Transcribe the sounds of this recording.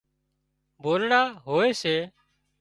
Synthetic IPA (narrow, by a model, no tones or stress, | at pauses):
boːlɳaːɦoːeːseː